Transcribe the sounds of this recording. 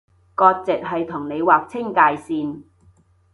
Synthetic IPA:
kɔː˧k̚t͡sɪ˨k̚ɦɐ˨jt̪ʰʊ˨˩ŋne˨˧jwaː˨k̚t͡sʰɪ˥ŋkaː˧jsiː˧n

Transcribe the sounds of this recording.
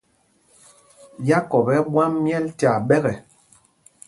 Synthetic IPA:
ja˦kɔ˨bɛ˦bwa˦mːjɛ˦lta˨ɓɛ˦ɣɛ˨

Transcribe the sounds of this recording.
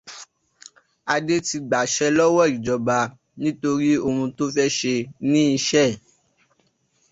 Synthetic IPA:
a˧de˦ti˧ɡ͡ba˨ʃɛ˦lɔ˦wɔ˦˨i˨d͡ʒɔ˨ba˧ | nĩ˦to˧ɾi˦o˦˧mũ˧to˦fɛ˦ʃe˧nĩ˦i˧ʃɛ˦˨

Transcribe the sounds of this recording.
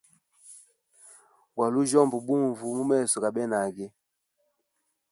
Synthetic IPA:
wa˨lu˦ʒɔ˦˨mbu˨bu˦ɱvu˨mu˦mɛ˦˨sɔ˨ka˨ɓɛ˦na˨ɡɛ˦

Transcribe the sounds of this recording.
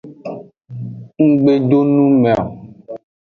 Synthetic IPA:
ŋ̩˦ɡ͡be˨ɖo˦nũ˦mẽ˨a˨

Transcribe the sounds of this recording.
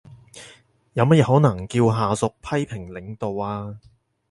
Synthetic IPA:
jaː˨˧wmɐ˥t̚jɛː˨˧hɔː˨˥nɐ˨˩ŋkiː˧wɦaː˨sʊ˨k̚pʰɐ˥jpʰɪ˨˩ŋlɪ˨˥ŋt̪o˨waː˧

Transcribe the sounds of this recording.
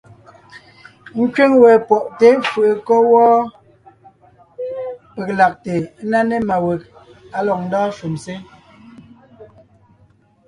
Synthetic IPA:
ŋ̩˦kɥe˦ŋwɛ˨pɔ˨ʔte˨˦fɯ˨ʔe˨kɔ˦wɔː˦ | pe˨k̚la˨k̚te˨˦na˦ne˦ma˨we˨k̚ | a˦lɔ˨k̚n̩˦dɔː˦ʃu˨mse˦

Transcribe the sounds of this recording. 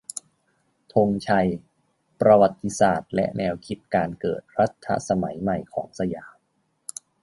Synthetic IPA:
t̪ʰo˧ŋt͡ɕʰa˧j | pɾa˧wa˨˩t̪ʰːi˧˥saː˨˩t̪̚lɛ̰˦˥ʔnɛː˧wkʰi˦˥t̪̚kaː˧nkɤ̰ː˨˩t̪̚ɾa˦˥t̪ʰːa̰˧˥sa˧ma˩˦jma˨˩jkʰɔ̰ː˩˦ŋsa˧jaː˩˦m

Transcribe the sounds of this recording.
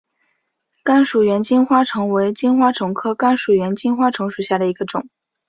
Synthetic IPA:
ka˥nʂu˨˩ɥɛ˧˥nt͡ɕi˥nxwa˥ʈ͡ʂʰɤ˧˥ŋwe˧˥ɪt͡ɕi˥nxwa˥ʈ͡ʂʰɤ˧˥ŋkʰɤ˥ka˥nʂu˨˩ɥɛ˧˥nt͡ɕi˥nxwa˥ʈ͡ʂʰɤ˧˥ŋʂu˨˩ɕja˥˩d̪ə˩i˧˥ɡə˧ʈ͡ʂʊ˨˩˦ŋ

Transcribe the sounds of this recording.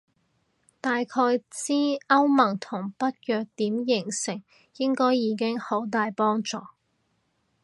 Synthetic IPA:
t̪aː˨jkʰɔː˧jt͡siː˥ɐ˥wmɐ˨˩ŋt̪ʰʊ˨˩ŋpɐ˥t̚jœː˨˧k̚t̪iː˨˥mjɪ˨˩ŋsɪ˨˩ŋ | jɪ˥ŋkɔː˥jjiː˨˧k̬ɪ˥ŋho˨˥wt̪aː˨jpɔː˥ŋt͡sɔː˨

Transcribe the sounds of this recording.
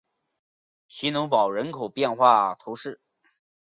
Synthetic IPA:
t͡ɕʰi˧˥nʊ˧˥ŋpɑ˨˩ʊɻə˧˥nkʰo˨˩ʊpjɛ˥˧nxwa˥˩t̪ʰo˧˥ʊʂɻ̩˥˩

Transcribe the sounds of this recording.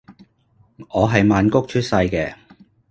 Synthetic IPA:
ŋɔː˨˧ɦɐ˨jmaː˨˧nkʊ˥k̚t͡ʃʰɵ˥t̚sɐ˧jkɛː˧

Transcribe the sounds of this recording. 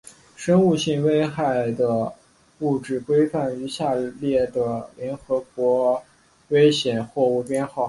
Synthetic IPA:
ʂɤ˥ŋu˥˧ɕi˥˩ŋwe˥ɪxa˥˩ɪd̪ə˩ | u˥˩ʈ͡ʂɻ̩˥˩kwe˥ɪfa˥˩ny˧˥ɕja˥˧ljɛ˥˩d̪ə˩ljɛ˧˥nxɤ˧˥k̚wɔ˧˥ | we˥ɪɕjɛ˨˩nxwɔ˥˧u˥˩pjɛ˥nxɑ˥˩ʊ

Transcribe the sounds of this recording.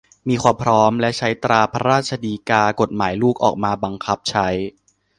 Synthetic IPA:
miː˧kʰwaː˧mpʰɾɔː˦˥mlɛ˦˥ʔt͡ɕʰa˦˥jt̪ɾaː˧pʰa˦˥ɾaː˥˩t̪̚t͡ɕʰa˧diː˧kaː˧ko˨˩t̪̚maː˩˦jluː˥˩k̚ʔɔ̰ː˨˩k̚maː˧ba˧ŋkʰa˦˥p̚t͡ɕʰa˦˥j

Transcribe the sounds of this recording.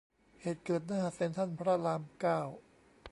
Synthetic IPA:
heː˨˩t̪̚kɤː˨˩t̪̚naː˦˥ɦa˨˩se˧˦nt̪ʰa˥˩npʰɾa˦˥laː˧mkaː˥˩w

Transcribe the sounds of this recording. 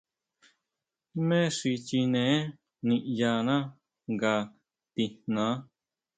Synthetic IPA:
mẽ˦ʂi˧t͡ʃi˧nẽ˨˦ | nĩ˧ʔja˧nã˦ | ŋɡa˧ | t̪i˧n̥nã˨˦

